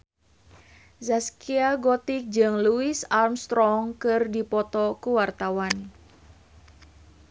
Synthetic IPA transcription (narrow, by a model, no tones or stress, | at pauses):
zaskiaɡɔt̪ik̚d͡ʒɨŋluɪsalmst̪ɾɔŋkɨrdipɔt̪ɔkuwart̪awan